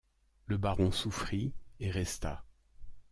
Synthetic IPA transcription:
ləbaʁɔ̃sufχieʁɛst̪a̰

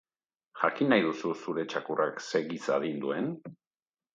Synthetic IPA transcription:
xakinːajðususuɾe̞t͡ʃakurakse̞ɣisa̰ðind̪ue̞n

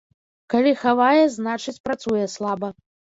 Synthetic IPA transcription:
kalʲixavajɛznat͡ʂɨt͡sʲpɾat̪sujɛslˠabɐ

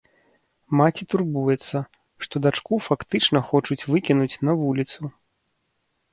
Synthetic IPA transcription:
mat͡sʲit̪urbujɛt̪sːɐ | ʂt̪ɔd̪at͡ʂkufakt̪ɨt͡ʂn̪ɐxɔt͡ʂut͡sʲvɨkʲinut͡sʲnɐvulʲit̪su

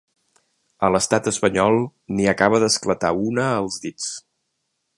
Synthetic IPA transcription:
ələst̪at̪əspəɲɔlˠniəkaβ̞əðəsklət̪aunəːlˠzðit͡s

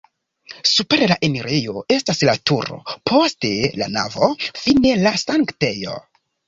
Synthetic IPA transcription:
supe̞ɾlaʔeniɾejo̞e̞staslatuɾo̞̰pʰo̞ste̞la̰na̰vo̞fine̞lasaŋkte̞jo̰

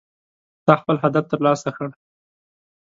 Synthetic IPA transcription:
t̪ɑxpəlɦad̪aft̪əɾlɑsaxəɽ

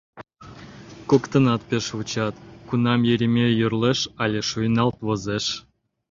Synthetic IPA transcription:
kokt̪ə̆nɑt̪̚peʃβut͡ɕɑt̪kunɑmjeɾʲimʲejyrleʃɑlʲeʃujnɑlt̪βozeʃ

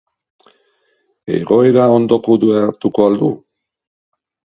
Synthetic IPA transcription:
e̞̰ɣo̞eɾao̞nd̪o̞kod̪ueaɾt̪uko̞ald̪u

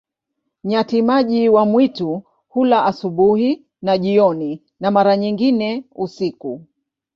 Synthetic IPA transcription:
ɲatimaʄiwamwitu | hulaʔasuɓuhi | naʄiɔni | namaɾaɲiŋɡinɛusiku

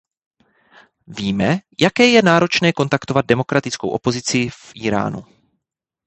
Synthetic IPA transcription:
viːmɛjakɛːjɛnaːɾo̞t͡ʃnɛːko̞nt̪akt̪o̞vad̪̚dɛmo̞kɾat̪ɪt͡skowʔo̞po̞zɪt͡sɪfʔiːɾa̰ːnṵ

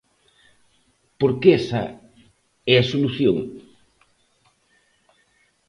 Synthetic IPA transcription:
poɾkeɛsɐ̰ | ɛɐsoluθjoŋ

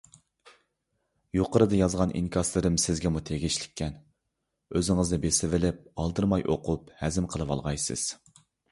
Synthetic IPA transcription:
joqəɾɨd̪ɨjɑzʁɑnʔḭnkʰʲɑslˠɨɾɨmsɪzɡʲɛmut̪ʰeɡʲiʃlɪ̥kʲʰːɛn | øzɪŋɨzd̪ɨbesɪvɪlɪp̚ɑlˠd̪ɨɾmɑjʔo̰qʰuphæzɪmqʰəlˠɨwɑ̰lˠʁɑjsɨ̰z̥

